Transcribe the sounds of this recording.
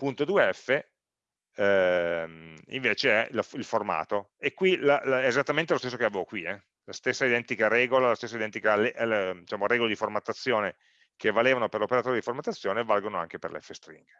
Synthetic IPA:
punt̪od̪uːeɛfːe | ɛmḭɱveːt͡ʃeɛlfilforma̰ːt̪o | ekːwilaɛːzat̪ːament̪elost̪esːokeavevokwiɛ | last̪esːaid̪ɛnt̪ikaɾɛːɡolalast̪esːaid̪ɛnt̪ikaled̪it͡ʃaːmoɾɛːɡoled̪iformat̪ːat̪sːjoːne | kʰevaleːvanoperlopeɾat̪oːɾid̪iformat̪ːat̪sːjoːnevalɡonoa̰ŋkeperlḛɛfːest̪ɾḭŋɡ

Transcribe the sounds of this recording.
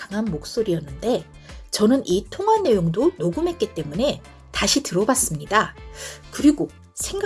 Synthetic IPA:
kaŋɦanmok̚s͈oɾiʌnːɯnde̞ | t͡ɕʌnɯnʔitʰoŋɦanːe̞joŋdonoɡumɦe̞t̚k͈it͈e̞mune̞ | taɕʰitɯɾʌbas͈ɯmɲidakɯɾiɡo | sʰe̞ŋɡ

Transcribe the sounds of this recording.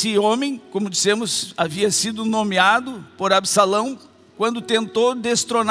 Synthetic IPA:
ɪõmẽj̃kõmʊd͡ʒisẽmʊsaviɐsid̪ʊnõmiad̪ʊpoɾabsalɐ̃w̃ | kwɐ̃nd̪ʊt̪ẽnt̪owd̪est̪ɾon

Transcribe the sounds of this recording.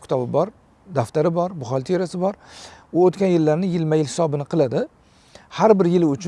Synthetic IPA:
kʲɪ̥t̪ʰɒbɪbɒɾ | d̪aft̪aɾɪbɒɾbʊχɑlʲˠt̪ʰeɾasɪbɒɾʊot̪kʲanjɪlːaɾnɪjɪlmajɪlhɪ̥sɒbɪnɪqʰɨlˠad̪ɪ | haɾbɪɾjɪlʊt͡ʃʰ

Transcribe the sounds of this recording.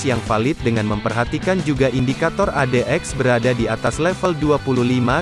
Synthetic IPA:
jaŋfalɪt̪̚dəŋanməmpərɦat̪ikand͡ʒuɡaʔindikat̪ɔradeʔɛksbəɾadadiat̪aslɛfəlduapululima

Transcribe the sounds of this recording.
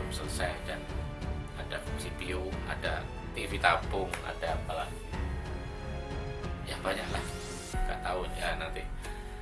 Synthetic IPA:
msələsajdan | adasit̪ioa̰da | t̪ifit̪apʊŋa̰d̥aːpala | jaŋbaɲaʔlah | ɡa̰ʔt̪aʊnjanant̪i

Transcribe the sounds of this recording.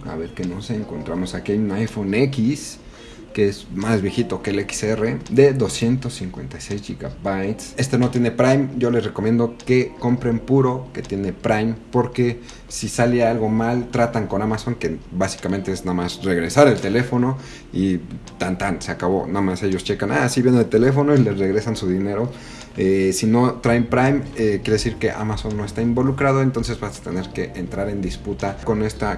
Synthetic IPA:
a̰βe̞ɾke̞noseːŋko̞nt̪ɾamo̞sakiajunajfone̞kis | keezmazβje̞xit̪oke̞leki̥sere̞d̪e̞ðo̞sje̞nt̪o̞sːiŋkwe̞̰nt̪ajse̞jzʝiɣa̰bajt̪sest̪eno̞t̪jene̞pɾajmɟ͡ʝo̞le̞sre̞ko̞mje̞nd̪o̞ke̞ko̞mpɾe̞mpuɾo̞ke̞t̪je̞nepɾajmpo̞ɾke̞ | sisalealɣo̞malt̪ɾat̪aŋko̞namaso̞ŋke̞basi̥kamẽ̞nt̪e̞eznaðmasre̞ɣɾe̞saɾe̞lt̪e̞le̞fo̞no̞ | it̪ant̪anseakaβo̞̰namase̞ʝo̞st͡ʃe̞kanasiβje̞nnelt̪ele̞fo̞no̞ile̞re̞ɣɾe̞sansuðine̞ɾo̞ | esino̞t̪ɾajmpɾajmekjeɾesiɾke̞ʔa̰maso̞nːo̞est̪aimbo̞lukɾað̞o̞e̞nt̪o̞ns̬e̞zβasat̪e̞̰ne̞ɾke̞ʔent̪ɾaɾe̞nd̪isput̪ako̞ne̞st̪a

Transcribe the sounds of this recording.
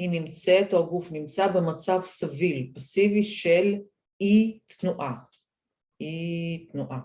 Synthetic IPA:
inimt͡set̪oɡufnimt͡sabemat͡savsavilpasiviʃel | it̪nuʔa | it̪nuʔa

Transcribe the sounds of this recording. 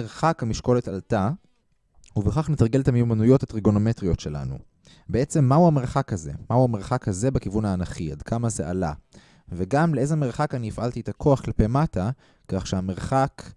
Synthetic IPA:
eʁχakhamiʃko̞le̞talta | uveχaχnetaʁɡeletamejumanujo̞that̪ʁiɡo̞nometʁijo̞tʃe̞la̰nṵ | bee̞t͡se̞mːauame̞ʁχakhaze̞̰mauameʁχakhaze̞bekivunaːnaχia̰dkʰamazeʔa̰la̰ | veɡamleʔezemeʁχakaniifʔalt̪iet̪akʰo̞aχklapemata | kaχʃeame̞ʁχak

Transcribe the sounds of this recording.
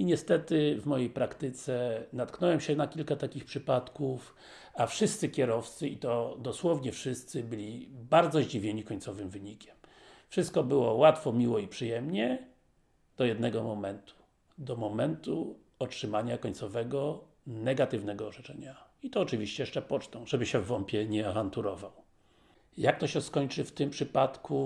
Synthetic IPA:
iɲɛst̪ɛt̪ɘvmɔjejpɾakt̪ɘt̪sɛnat̪knɔwɛmɕɛnakʲilkat̪akʲixpʂɘpat̪kuf | afʂɘst̪sɘkʲɛɾɔft̪sɘit̪ɔd̪ɔswɔvɲɛfʂɘst̪sɘbɘlʲibaɾd̪zɔʑd͡ʑivʲjeɲikɔɲt̪sɔvɘmvɘɲikʲɛm | fʂɘst̪̚kɔbɘwɔwat̪fɔmʲiwɔipʂɘjɛmɲɛ | d̪̥ɔjɛd̪nɛɡɔmɔmɛnt̪u̥ | d̪ɔmɔmɛnt̪u | ɔtʂɘmaɲakɔɲt̪sɔvɛɡɔ | nɛɡat̪ɘvnɛɡɔːʐɛt͡ʂɛɲait̪ɔːt͡ʂɘvʲiɕt͡ɕɛjɛʂt͡ʂɛpɔt͡ʂt̪ɔ̃w̃ʐɛbɘɕɛvːɔmpʲjɛɲɛavant̪uɾɔvaw | jak̚t̪ɔɕɛskɔɲt͡ʂɘft̪ɘmpʂɘpat̪ku

